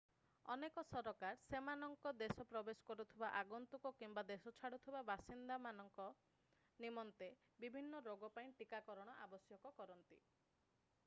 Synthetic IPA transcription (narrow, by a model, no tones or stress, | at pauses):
ɔnekɔsɔɾɔkaɾsemanɔŋkɔd̪esɔpɾɔbesɔ̥kɔɾut̪ʰibaʔaɡunt̪ukɔkimbad̪esɔt͡ʃʰaɽut̪ʰibabasind̪amanɔŋkɔ | nimɔnt̪e | bibʱinːɔɾoɡɔpaĩʈikakɔɾɔɽ̃ɔʔabɔsjɔkɔkɔɾɔnt̪ḭ